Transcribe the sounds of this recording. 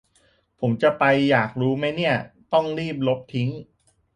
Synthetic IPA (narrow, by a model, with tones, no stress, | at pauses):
pʰo˩˦mt͡ɕa˨˩pa˧jːaː˨˩k̚ɾuː˦˥ma˦˥jni˥˩ɐt̪ɔ˥˩ŋɾiː˥˩p̚lo˦˥p̚t̪ʰi˦˥ŋ